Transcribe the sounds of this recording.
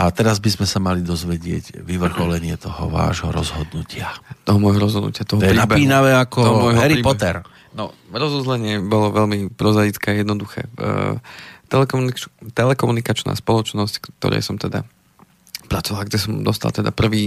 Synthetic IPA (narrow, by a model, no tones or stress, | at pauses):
ʔat̪ɛɾazbizmɛsamalid̪ɔzʋɛɟɪɛ̰ɟʋiʋr̩xɔlɛɲɪɛt̪ɔɦɔ̰ʋa̰ːʒɦɔɾɔzɦɔd̪nucɪat̪ɔɦɔmɔjɦɔɾɔzɦɔd̪nṵcɪat̪ɔɦɔɔjɛɾnabɛiːnaʋɛakɔɔɦɔmɔjɦɔɦɛɾiɾiːbpɔt̪ɛɾ | nɔɾɔzuzlɛɲɪɛbɔlɔʋɛlmipɾɔzajit͡skɛːajɛd̪nɔd̪uxɛ̰ː | t̪ɛlɛk̪t̪ɛlɛkɔmunikat͡ʃna̰ːspɔlɔt͡ʃnɔsct̪ɔ̰ɾɛ̰jsɔmt̪ɛd̪a | pɾat͡sɔʋalɡɟɛsɔmd̪ɔst̪a̰lt̪ɛd̪a̰pr̩ʋiː